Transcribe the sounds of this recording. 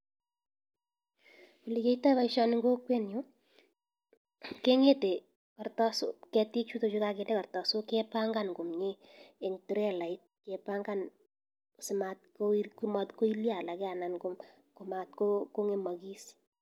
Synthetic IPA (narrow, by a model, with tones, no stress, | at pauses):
u˨li˨ke˦ita˦βa˦i˦ʃɔ˦nɪŋɡo˦kwɛ˦njo˦ | ke˦ŋe˦te˨ | kɔ˨ɾtɔ˦sʊ̰˦kɛ˧ti˦k̚t͡ʃu˦to˨t͡ʃu˦ka˧ke˨ndɛ˦kɔ˨ɾtɔ˨sʊ˦kɛ˦pa˦ŋɡa˦˨nɡʊ˨mɲɪ˦e˨ŋtu˨ɾɛ˦la˨ɪ˦t̚kɛ˨pa˦ŋɡa˦n˨ | sɪ˨ma˨t̚kokumɔ˨tko˦i˦lja˨la˨kɛ˦a˨na˨nɡʊ˦m | kʊ˨ma˨tkoko˦ŋe˦mɔ˨ɡi˦s